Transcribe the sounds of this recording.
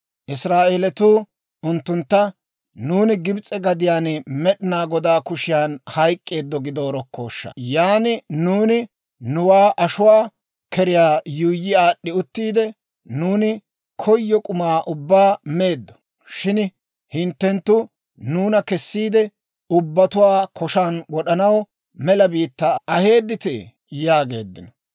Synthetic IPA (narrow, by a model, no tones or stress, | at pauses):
ʔɪsɾaːʔeːlɛt̪uː | ʊnt̪ːʊnt̪ːɐ | nuːnɪɡɪbt͡sʼːɛɡɐd̪ɪjaːnmɛɗɪnaːɡɔd̪aːkʊʃɪjaːnhɐjkʼːe̞ːd̪ːɔɡɪd̪o̞ːɾɔkːo̰ːʃːɐ̰jaːnɪnuːnɪ | nʊwaːʔɐʃʊwaː | kʰɛɾɪjaːjuːjːɪaːɗːɪʊt̪ːiːd̪ɛ | nuːnɪ | kʰɔjːɔkʼʊmaːʔʊbːaːmeːd̪ːɔ̥ | ʃɪn | hɪnt̪ːɛnt̪ːʊ | nuːnɐkɛsːiːd̪ɛ | ʊbːɐt̪ʊwaːkʰɔʃaːnwɔɗɐnɐw | mɛlɐbiːt̪ːɐɐhe̞ːd̪ːɪt̪ḛ | jaːɡe̞̰ːd̪ːɪnɔ